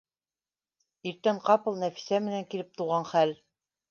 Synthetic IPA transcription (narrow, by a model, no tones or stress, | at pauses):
iɾt̪æɴqɑpɤ̆lˠnæfi̥sæmɘ̆næŋkilɘp̚t̪uʁɑnχæl